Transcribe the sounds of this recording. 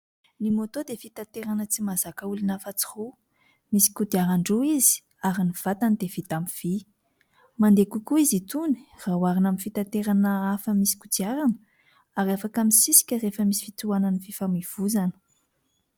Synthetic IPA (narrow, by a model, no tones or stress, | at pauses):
nimot̪od̪efit̪at̪eɾanət͡simazakəulinafat͡si̥hu | misi̥kud̪iaɾaɳɖ͡ʐuizi̥ | aɾiniv̥at̪anid̪ev̥it̪amiv̥i | mand̪ekukuizit̪uni̥rawaɾinaminfit̪at̪eɾanəafəmisi̥kud̪iaɾanə | aɾafakamisisi̥kʲərefəmisi̥fit̪uanənififamiv̥uzanə̥